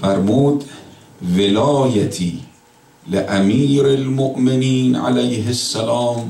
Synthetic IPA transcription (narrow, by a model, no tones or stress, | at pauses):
fæɾmuːd̪ | velɒːjat̪ʰiː | leʔamiːɾalmoʔmeniːnʕa̰læjhesːalɒːm